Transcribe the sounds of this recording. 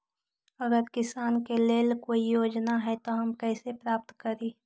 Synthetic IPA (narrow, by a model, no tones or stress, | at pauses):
ɐɡəɾkɪsaːnkeleːlkoːijoːd͡ʒnaɦɛt̪oɦɐmkɛːsepɾaːp̚t̪kəɾeː